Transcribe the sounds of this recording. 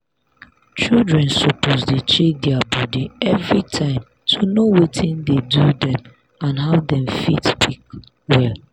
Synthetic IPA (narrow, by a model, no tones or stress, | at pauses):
t͡ʃildɹɛ̃nsopozdet͡ʃek̚dɛabɔdiɛvɹitʰãɪ̃m | tʰunowetʰɪ̃ndedudɛ̃m | ãnɦavdɛ̃mfitpʰik | wɛl